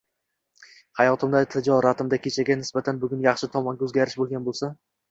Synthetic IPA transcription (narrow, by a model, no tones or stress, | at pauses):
hajɒt̪ʰɪmd̪at̪ʰɪd͡ʒɒɾat̪ʰɪmd̪akʲʰet͡ʃʰaɡʲanɪsbat̪ʰanbʊɡʲʊnjɑχʃɪt̪ʰɒmɒŋɡʲaɵzɡʲaɾɪʃbolˠɡʲanbolˠsa